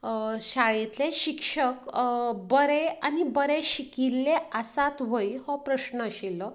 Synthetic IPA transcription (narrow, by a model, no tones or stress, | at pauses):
ɕaɭit̪leɕikʂəkbəɾeanibəɾeɕikilːeasat̪ʋoihɔpɾəɕnəəɕilːɔ